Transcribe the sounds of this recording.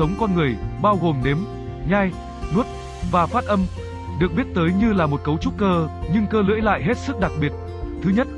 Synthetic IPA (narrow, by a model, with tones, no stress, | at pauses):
ə˨˦wŋ͡mkɔ˧nŋɨ˨˩əjɓaː˧wɣo˨˩mne˨˦m | ɲaː˧j | nu˦˥t̚ | vaː˨˩faː˦˥t̚ʔə˧m | ɗɨ˨˩ək̚ɓi˦˥ət̚t̪əː˨˦jɲɨ˧laː˨˩mo˨˩t̚kə˨˦wt͡ɕu˦˥t̚kəː˧ɲɨ˧ŋkəː˧lɨ̰˧˥jla̰ː˧˨jɦe˦˥t̚sɨ˦˥k̚ɗa˨˩k̚ɓi˨˩ət̚ | t̪ʰɨ˨˦ɲə˦˥t̚